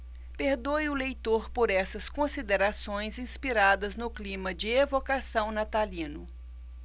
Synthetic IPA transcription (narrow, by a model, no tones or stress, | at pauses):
peɾd̪ojʊlejt̪oɾpoɾɛsɐskõsid̪eɾasõj̃zĩspiɾad̪ɐznʊklĩmɐd͡ʒɪevokasɐ̃w̃nat̪alĩnʊ